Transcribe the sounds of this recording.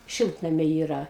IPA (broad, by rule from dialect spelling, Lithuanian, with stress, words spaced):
ˈʃʲɪlˠtnɐmʲɛɪ ˈiːrɐ